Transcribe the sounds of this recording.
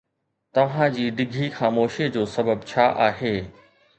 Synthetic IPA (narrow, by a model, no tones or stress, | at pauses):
t̪ɐʋ̤ãd͡ʑiːɖɪɡʱixaːmoːʃid͡ʑoːsɐbəbt͡ɕʰaːʔaːɦeː